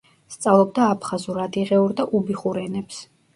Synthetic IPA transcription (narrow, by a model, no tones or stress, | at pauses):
st̪sʼavlˠɔb̚d̪aːpʰχazuɾad̪iʁɛuɾd̪aʔubiχuɾɛnɛps